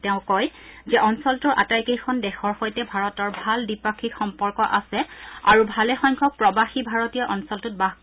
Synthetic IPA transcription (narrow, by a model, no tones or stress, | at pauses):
tɛʊ̃kɔjzɛʔɔnsɔltʊɹʔa̰tajkejkʰɔndɛxʰɔɹxojtɛbʱaɹɔtɔɹbʱaldipakʰikxɔmpɔɹkɔʔasɛa̰ɹubʱalɛxɔŋkʰɔk̚pɹɔbaxibʱaɹɔtiaʔɔnsɔltut̚baɦ